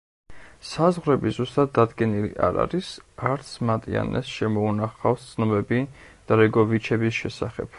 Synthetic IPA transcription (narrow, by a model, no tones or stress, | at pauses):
sazʁɾɛbizust̪ʼad̪̚ːad̪ɡɛnilḭʔaɾa̰ɾisaɾt̪sʰmat̪ʼia̰nɛ̰sʃɛmɔunaχafst̪sʰnɔbɛbid̪̥aɾɛɡɔvit͡ʃʰɛbisʃɛsaχɛ̰b̥